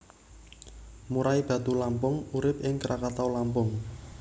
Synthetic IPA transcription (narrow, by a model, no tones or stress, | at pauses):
muɾaib̥ä̤d̪ulampʊŋuɾɪp̚ʔɪŋkɾakat̪awlampʊŋ